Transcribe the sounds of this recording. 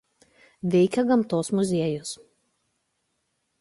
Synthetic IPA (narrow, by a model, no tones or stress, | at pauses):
ʋʲɛɪkʲɛɡɐmˑt̪oːsmʊzʲiɛjʊs